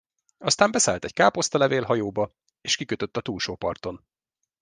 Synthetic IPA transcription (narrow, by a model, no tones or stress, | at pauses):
ɒst̪aːmbɛsɛːlt̪ɛɟ̥kaːpo̞st̪ɒlɛveːlɦɒjoːbɒ | eːʃkikøt̪øt̪ːɒt̪uːlʃoːpɒrt̪o̞n